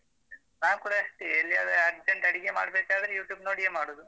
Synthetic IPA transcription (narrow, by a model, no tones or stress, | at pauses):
naːʋkuːɽɐɐʂʈielːiaːd̪ɐɐɾʈɐɳʈɐɽiɡeːma̰ːɽɐbeːkaːɾd̪ɐɾjuːʈjuːbnoːɽijemaːɽoːd̪u